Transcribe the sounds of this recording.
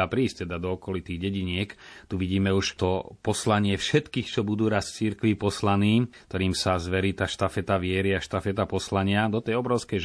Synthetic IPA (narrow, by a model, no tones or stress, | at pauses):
apɾiːsc̚t̪ɛd̪ad̪ɔɔkɔlit̪iːɣɟɛɟiɲɪɛkt̪uʋiɟiːmɛuʃt̪ɔpɔslaɲɪɛfʃɛt̪kiːxt͡ʃɔbud̪uːɾaːst͡siɾkʋipɔslaniːkt̪ɔɾiːmsazʋɛɾiːt̪aːʃt̪afɛt̪aʋɪɛɾiaʃt̪afɛt̪apɔslaɲɪad̪ɔt̪ɛjɔbɾɔʊskɛ